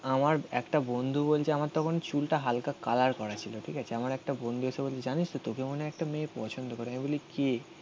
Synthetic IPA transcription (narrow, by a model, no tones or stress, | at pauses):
amaɾɛkʈabond̪ʱubolt͡ɕʰeamaɾt̪ɔkʰonet͡ɕulʈaɦalkakalaɾkɔɾat͡ɕʰiloʈʰikat͡ɕʰeamaɾɛk̚ʈabond̪ʱuesʰebolt͡ɕʰed͡ʑanit͡ɕt̪ot̪okemoneɛk̚ʈameːpɔ̰t͡ɕʰond̪okoɾeamebolike